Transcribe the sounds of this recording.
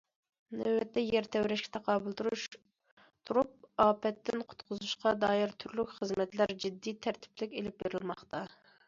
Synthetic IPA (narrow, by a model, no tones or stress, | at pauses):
nɛwɛt̪ːɛjɛɾt̪ʰɛwɾɛʃkʲɛ̥t̪ʰɛqʰɑːbɨlˠt̪uɾuʃ | t̪ʰuɾup̚ɑːpɛt̪ːɪnqʰʊ̥t̪qʰʊzuʃqɑd̪ɑːjɪɾt̪ʰyɾlykʲχəzmɛt̪læɾd͡ʒid̪ːit̪ʰæɾt̪ʰɪ̥plɪkʲelɪp̚beɾɪlmɑχt̪ɑ